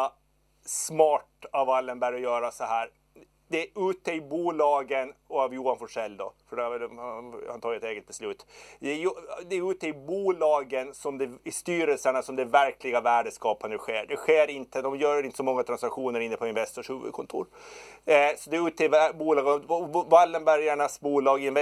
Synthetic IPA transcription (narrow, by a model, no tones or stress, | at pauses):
smɑːʈavalːənbæɾɔjœːɾasɔɦæːɾ | d̪ɛʉːt̪əɪbuːlɑːɡənɔavjuːanfɔʂɛlːd̪ɔfœɖɛavɛlhhant̪ɑːjɛt̪eːɡət̪̚bɛslʉ̟ːt̪d̪ɛjd̪ɛæɾʉ̟ːt̪əɪbuːlɑːɡənsɔmd̪ɛɪst̪yːɾəlsəɳasɔmd̪ɛvæɾkʰlɪɡavæːɖəskɑːpand̪əɧeːɖɛɧeːɾɪnt̪əd̪ɔmjœːɾɾɪnt̪əsɔmɔŋːat̪ʰɾansakɧuːnəɾɪnːəpʰɔɪnvɛst̪ɔʂhʉːvɵ̰d̪̚kʰɔnt̪ʰṵːɾ | sɔd̪ɛʉ̟ːt̪əɪbuːlɑːɡvalːəmbæɾjaɳasbuːlɑːɡɪɪnvɛ